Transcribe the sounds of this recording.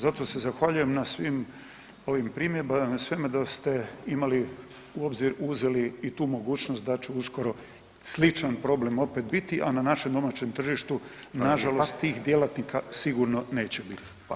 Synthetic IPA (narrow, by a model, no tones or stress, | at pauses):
zat̪ose̞zaxʋaʎuje̞mnasʋim | o̞ʋimpɾiːmjeɾbamsʋemed̪ast̪e̞imali | uo̞bziɾuzeliit̪uːmo̞ɡuːt͡ɕnost̪̚d̪at͡ɕeusko̞ɾo̞ | slit͡ʃanpɾo̞ble̞mo̞pet̪bit̪iʔananaʃemd̪o̞mat͡ɕe̞mt̪r̩ʒiʃt̪unaʒalost̪ːiːxd̪jelat̪nikasiɡuɾno̞ne̞ːt͡ɕe̞bit̪i̥